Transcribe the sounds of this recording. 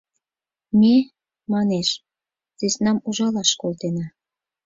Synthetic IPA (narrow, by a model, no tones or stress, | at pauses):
mʲe | mɑneʃ | zesnɑmuʒɑlɑʃkolt̪enɑ